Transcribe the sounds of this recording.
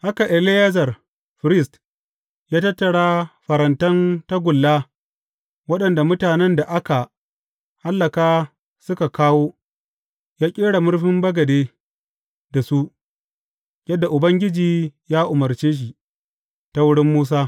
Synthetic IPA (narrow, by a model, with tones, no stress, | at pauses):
ha˦ka˨ʔɛ˨lɪ˦ja˦zɐ˨r | ɸɪ˨ɾɪ˦st | jaː˦tɐ˦tːɐ˨ɽaː˦ɸɐ˨ɾɐ˨ntɐ˦nta˦ɡʷʊ˨lːaː˦ | wɐ˦ɗɐ˨nda˨mʊ˦taː˨nɛ˦nda˨ʔa˦ka˨ | ha˦lːɐ˨kaː˦ | sʊ˦ka˨kaː˦woː˦ | jaː˦kʲʼeː˦ɽa˨mʊ˦ɽɸɪ˦mbɐ˦ɡɐ˨deː˦ | da˨su˦ʔ | jɐ˦dːa˨ʔʊ˨bɐ˦ŋɡʲɪ˦d͡ʒiː˨jaː˦ʔʊ˨mɐ˨rt͡ʃeː˦ʃ̬i˨ | ta˦wʊ˦ɽɪ˦mːuː˦s̬aː˦